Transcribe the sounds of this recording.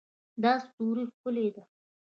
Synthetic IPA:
d̪ɑst̪uɾixkʊled̪a

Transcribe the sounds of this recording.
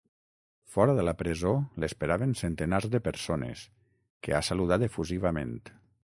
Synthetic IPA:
fɔɾəðəlapɾezolespeɾaβənsent̪ənaɾzðəpəɾsonḛs | kea̰saluðat̪efuziβamḛ̃nt̪

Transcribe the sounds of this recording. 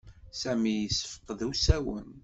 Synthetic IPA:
sæmijəsə̥fə̥qːðəwsæwən

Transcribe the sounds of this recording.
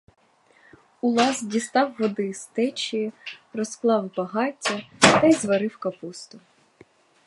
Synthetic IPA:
ʊlˠɑzdʲist̪ɑwːɔd̪ɪst̪ɛt͡ʃijirɔsklˠɑwbɐɦɑtʲːɐt̪ɐjzʋɐɾɪwkɐpust̪ʊ

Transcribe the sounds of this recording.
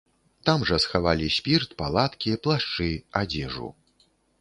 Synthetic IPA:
t̪amʐɐsxavalʲisʲpʲirt̪palˠat̪kʲiplˠaʂt͡ʂɨad͡zʲɛʐṵ

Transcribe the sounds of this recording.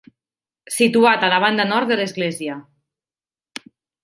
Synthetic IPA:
sit̪uat̪alaβand̪anɔɾt̪d̪ðəlezɣlezia

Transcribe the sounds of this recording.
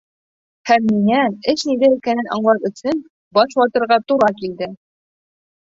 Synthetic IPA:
hæmːiŋæɘʃnid̪æikænɘnʔɒ̰ɴlˠɑpɵ̆sɘn | bɒʃwɑt̪ɤ̆ɾʁɑt̪uɾɑkild̪ɘ

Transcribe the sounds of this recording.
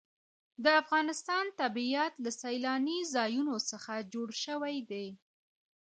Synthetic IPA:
d̪əafɣɑnɪst̪ɑnt̪abiat̪lasajlɑnizɑjunosəxad͡ʒoɽʃəwajd̪e

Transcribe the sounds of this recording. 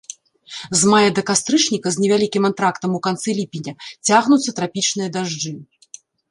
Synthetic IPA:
zmajɐd̪ɐkast̪ɾɨt͡ʂnʲikɐzʲnʲɛvʲalʲikʲimant̪ɾakt̪ɐmukant̪sɛlʲipʲinʲɐt͡sʲaɣnut̪sːɐt̪ɾapʲit͡ʂnɨjɐd̪aʐd͡ʐɨ

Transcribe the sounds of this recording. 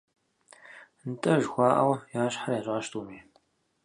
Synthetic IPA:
nt̪ʼɐʒxʷaːʔɐ̰wjaːʃħaɾeːzʷaːʃt̪uːmeːn

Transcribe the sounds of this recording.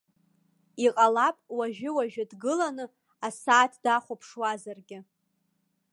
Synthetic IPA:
iqʼalapʼwaʒᶣɪwaʒᶣɪdɡɨlanɨ | asaːtʰd̥aχʷopʰʂwazarɡʲɪ

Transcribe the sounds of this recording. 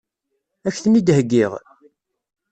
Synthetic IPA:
æçθənid̪həɡːiʁ

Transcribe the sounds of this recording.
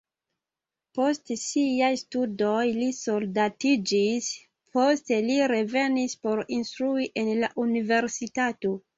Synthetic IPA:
po̞stsiajstudo̞jliso̞ldatid͡ʒis | pʰo̞steliɾe̞ve̞nispo̞ɾinstɾuiʔe̞nlaʔunive̞ɾsitato̞

